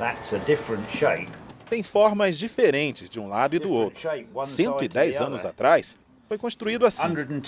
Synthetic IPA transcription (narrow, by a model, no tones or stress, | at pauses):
ðətsədɪfɹə̃ntʃeɪpt̪ẽj̃fɔɾmɐzd͡ʒifeɾẽnt͡ʃɪzd͡ʒɪũlad̪ʊɪd̪ʊowt̪ɾʊsẽnt̪ʊɪd̪ɛjzɐ̃nʊza̰t̪ɾajs | fojkõst̪ɾuid̪ʊasĩdədn̩ʰ